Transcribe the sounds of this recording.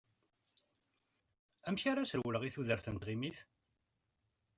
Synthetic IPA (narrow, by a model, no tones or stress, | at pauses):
æmçaɾasəɾwələʁiθuðəɾθənt̪ʁimiθ